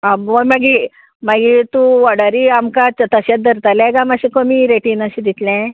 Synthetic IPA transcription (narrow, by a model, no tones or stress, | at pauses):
aʋomaɡi | maɡit̪ũʋaɽaɾiamkat͡sət̪əɕat͡s̚d̪əɾt̪alɛ̃ɡamaɕikomiɾeʈinaɕid̪it̪lɛ̃